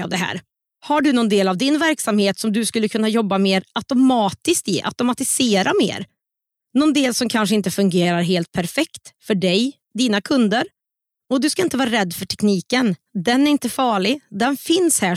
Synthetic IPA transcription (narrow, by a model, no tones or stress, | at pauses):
a̰vd̪ɛɦæ̰ːɾ | haɖɵnɔnd̪eːlavd̪ɪnvæɾksamheːt̪sɔmd̪ɵskɵlːəkʰɵnːajɔbːameːɾat̪ʊmɑːt̪ɪskt̪ɪ̰ʔa̰t̪ʊmat̪ɪseːɾamḛːɾ | nɔnd̪eːlsɔmkʰanʂəɪnt̪əfɵŋɡeːɾaɾɦeːlt̪̚pʰæɾfɛkt̪fœɖɛj | d̪iːnakʰɵnd̪əɾ | ɔd̪ɵskaɪnt̪əvɑːɾaɾɛd̪ːfœʈʰɛkniːkənd̪ɛnæɾɪnt̪əfɑːɭɪd̪ɛnfɪnshæː